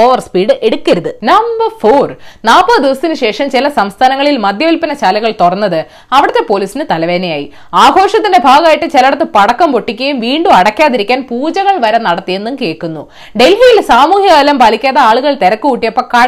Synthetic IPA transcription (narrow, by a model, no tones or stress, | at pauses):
oːʋɐrspiːɽɨʔeɽukʲːɐɾuðɨnɐmbɐrfoːrnaːpːoːd̪iʋɐst̪ːinɨɕe̞ːʂɐmt͡ɕelɐsɐmst̪ʰaːnɐŋːɐɭilmɐd̪jɐʋilpɐnɐt͡ɕaːlɐɣɐɭt̪orɐnːɐðɨ | ɐʋiɽɐt̪ːe̞poːliːsinɨt̪ɐlɐʋeːnejaːjḭ | aːɡʱo̞ːʂɐt̪ːindebʱaːɣɐaːjiʈːɨt͡ɕelɐɽɐt̪ːɨpɐɽɐkːɐmpo̞ʈːikʲːɐjumʋiːɳɖuɐɽɐkʲːaːðiɾikʲːaːnpuːd͡ʑɐɣɐɭʋɐɾɐnɐɽɐt̪ːije̞nːumke̞ːɭkːunːu | ɖe̞lɦijilsaːmuːɦjɐɐlɐmpaːlikʲːaːðɐaːɭuɣɐɭt̪eɾɐkːuuʈːijɐpːɐkɐ